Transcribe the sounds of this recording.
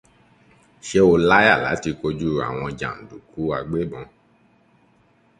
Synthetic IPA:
ʃe˦o˧la˦a˦˨la̰˨˦ti˧ko˧d͡ʒu˦˨ɾa̰˨w̃ɔ̃˧d͡ʒã̰˨n̩˨du˨ku˨˦a˧ɡ͡be˦bɔ̃˧

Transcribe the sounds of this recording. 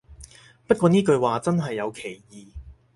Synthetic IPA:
pɐ˥t̚kʷɔː˧niː˥kɵ˧ɥwaː˨t͡sɐ˥nɦɐ˨jːɐ˨˧wkʰe˨˩jjiː˨˧

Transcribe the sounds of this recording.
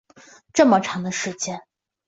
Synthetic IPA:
ʈ͡ʂɤ˥˩mə˩ʈ͡ʂʰɑ˧˥ŋd̪ə˧ʂɻ̩˧˥t͡ɕjɛ˥˩n

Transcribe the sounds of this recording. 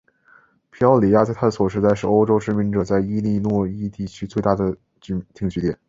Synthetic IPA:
pʰi˧˥ɑ˥ʊli˨˩˥ja˥˧t͡sa˥˩ɪt̪ʰa˥də˩swɔ˨˩ʂɻ̩˥˧t͡sa˥˧ɪʂɻ̩˥˩o˥ʊʈ͡ʂo˥ʊʂɻ̩˥˩mi˧˥nʈ͡ʂɤ˨˩t͡sa˥˧ɪi˥li˥˧nwɔ˥˧i˥t̪i˥˩t͡ɕʰy˥t͡swe˥˧ɪt̪a˥˩d̪ə˩ | t͡ɕy˧˥t̪ʰi˥˧ŋt͡ɕy˥jɛ˨˩˦n

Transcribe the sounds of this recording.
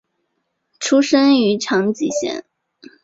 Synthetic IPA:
ʈ͡ʂʰu˥ʂə˥ny˧˥ʈ͡ʂʰɑ˧˥ŋt͡ɕi˨˩ɕjɛ̰˥˩˦n

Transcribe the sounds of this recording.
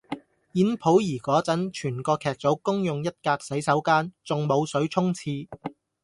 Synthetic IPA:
jiː˨˥npʰo˨˥wjiː˨˩kɔː˨˥t͡sɐ˨˥nt͡ʃʰyː˨˩nkɔː˧kʰɛː˨k̚t͡so˨˥wkʊ˥ŋjʊ˨ŋjɐ˥t̚kaː˧k̚sɐ˨˥jsɐ˨˥wkaː˥nt͡sʊ˨ŋmo˨˧wsɵ˨˥ɥt͡sʰʊ˥ŋt͡sʰiː˧

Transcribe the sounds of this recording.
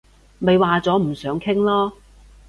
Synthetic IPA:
me˨jwaː˨t͡sɔː˨˥m̩˨˩sœː˨˥ŋkʰɪ˥ŋlɔː˥

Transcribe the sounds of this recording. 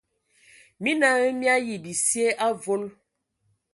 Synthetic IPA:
mi˦na˦ɣe˦mja˦ji˨bi˨si˦e˦ʔa˦vo˦l

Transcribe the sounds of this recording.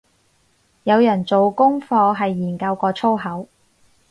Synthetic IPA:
jɐ˨˧wjɐ˨˩nt͡so˨wkʊ˥ŋfɔː˧ɦɐ˨jːiː˨˩nkɐ˧wkɔː˧t͡sʰo˥wɦɐ˨˥w

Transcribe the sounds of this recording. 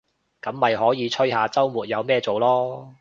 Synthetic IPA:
kɐ˨˥mːɐ˨jɦɔː˨˥jiː˨˧t͡ʃʰɵ˥ɦaː˨˧t͡sɐ˥wmuː˨t̚jɐ˨˧wmɛː˥t͡so˨wlɔː˥

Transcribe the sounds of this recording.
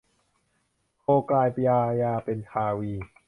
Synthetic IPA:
kʰoː˧klaː˧jpa˧jaː˧jaː˧pe˨˧nk̪ʰaː˧wiː˧

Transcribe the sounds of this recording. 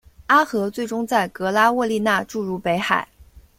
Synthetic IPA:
a˥xɤ˧˥t͡swe˥˩ɪʈ͡ʂʊ˥ŋt͡sa˥˩ɪkɤ˧˥la˥wɔ˥˧li˥˧na˥˧ʈ͡ʂu˥˧ɻu˥˩pe˧˥ɪxa˨˩˦ɪ

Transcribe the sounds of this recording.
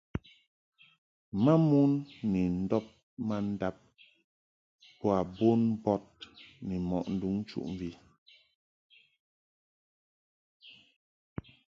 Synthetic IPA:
ma˦mu˦nːɛ˨n̩˦dɔ˦p̚ | ma˦n̩˦da˦p̚ | pɔ˦a˨bo˦nbɔ˦t̚nɛ˨mɔ̰˨ʔn̩˦du˦ŋ˦t͡ʃṵ˦˨ʔɱ˨vi˦

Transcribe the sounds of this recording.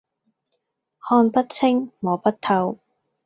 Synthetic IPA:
hɔː˧npɐ˥t̚t͡sʰɪ˥ŋmɔː˨˩pɐ˥t̚t̪ʰɐ˧w

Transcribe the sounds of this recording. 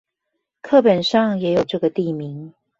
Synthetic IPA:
kʰɤ˥˩pə˨˩nʂɑ˥˨ŋjɛ˨˧˥jo˨˩ʊʈ͡ʂɤ˥˩ɡə˨t̪i˥˨mi˨˦ŋ

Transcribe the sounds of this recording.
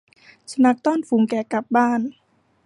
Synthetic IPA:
sa˧na˧˥k̚t̪ɔː˥˩˨nfuː˩˦ŋkɛː˨˩ka˨˩p̚baː˥˩n

